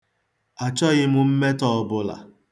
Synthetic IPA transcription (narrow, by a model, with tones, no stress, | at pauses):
a˨t͡ʃɔ˦ɣɪ˦mʊ˨m̩˦me˦tɔ˦˨bʊ˦la̰˨